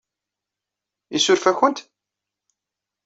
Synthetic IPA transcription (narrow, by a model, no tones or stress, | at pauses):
isʊɾfæçənt̪